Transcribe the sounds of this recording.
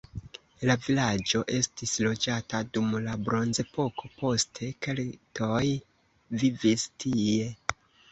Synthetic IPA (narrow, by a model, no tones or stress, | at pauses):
lavilad͡ʒo̞ʔe̞stislo̞d͡ʒatadumlabɾo̞nze̞po̞ko̞po̞stʰe̞ke̞ltʰo̞j | vivistʰie̞